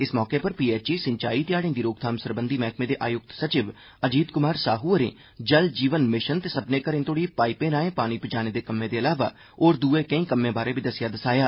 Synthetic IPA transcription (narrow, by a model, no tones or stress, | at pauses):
ɪsmɔːkeːpəɾpiːeːt͡ʃiːsɪ̃ɲt͡ʃaːiːt̪ɪjaːɽẽːd̪iːɾoːɡ̚t̪ʰaːmsəɾbənd̪iːmɛːkmẽːd̪eːʔaːjʊk̚t̪sət͡ʃɪʋ | əd͡ʒiːd̪kʊmaːɾsaːɦuːəɾḛ̃ː | d͡ʒəld͡ʒiːʋənmɪʃənt̪eːsəpnẽːkəɾẽːnt̪oːɽiːpaːipẽːɾaːẽːpaːɽ̃iːpɪd͡ʒaːneːd̪eːkəmːẽːd̪eːəlaːʋa̰ː | oːɾd̪uːeːkə̃ĩːkəmːẽːbaːɾeːbʱid̪əsɪjaːd̪əsaːjaː